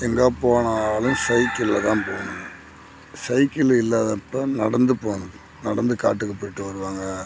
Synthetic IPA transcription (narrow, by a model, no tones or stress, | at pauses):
ɛŋɡɐpoːɳaːlɯ̃msɐɪkːɪlːɐt̪ːãːpoːnɯ | sɐɪkːɪlɪlːaːðɐpːɐnɐɽɐnd̪ɯpoːɳɯ | nɐɽɐnd̪ɯka̰ːʈːɯkːɐpːoːjɪʈːɯʋɐɾɯʋaːŋɡɐ